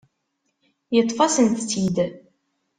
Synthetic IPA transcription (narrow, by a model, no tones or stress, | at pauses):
jət̪ˤːfɑsənt̪t͡sːid̪